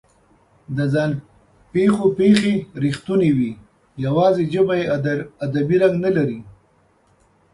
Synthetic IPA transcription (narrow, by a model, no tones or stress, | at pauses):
d̪əzɑn | pexopexeɾixt̪unewi | jawɑzed͡ʒəbajead̪abiɾaŋɡnalaɾi